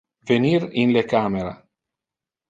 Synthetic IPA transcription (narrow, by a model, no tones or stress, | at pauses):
venirinlekameɾa̰